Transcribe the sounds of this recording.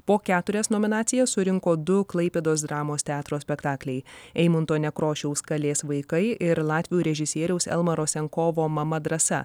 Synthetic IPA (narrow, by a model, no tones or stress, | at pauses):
poːkʲæːt̪ʊɾʲɛsnoːmʲɪnɑːt̪sʲɪjɛssʊɾʲɪŋkoːd̪ʊklˠɐɪpʲeːd̪oːsd̪ɾɑːmoːst̪ʲæːt̪ɾoːsʲpʲɛkt̪ɑːklʲɛɪɛɪmʊnt̪oːnʲɛkɾoːʃʲɛʊskɐlʲeːsʋɐɪkɐɪʔɪɾlˠɑːt̪ʲʋʲɪjuːɾʲɛʒʲɪsʲiɛɾʲɛʊsɛ̰lˠmɐɾoːsʲɛŋkoːʋoːmɐmɐd̪ɾɐsɐ̰